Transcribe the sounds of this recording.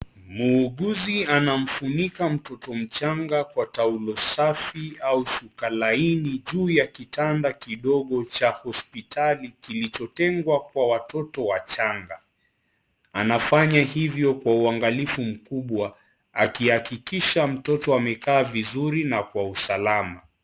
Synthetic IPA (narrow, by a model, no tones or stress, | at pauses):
muːɠuzianam̩funikam̩tɔtɔm̩t͡ʃaŋɡakwataulɔsafiauʃukalainiʄuːjakitandakiɗɔɠɔt͡ʃahɔspitʰalikilit͡ʃɔtɛŋɡwakwawatɔtɔwat͡ʃaŋɡa | anafaɲahivjɔkwauaŋɡalifum̩kuɓwa | akihakikiʃam̩tɔtɔamɛkaːvizuɾinakwausalama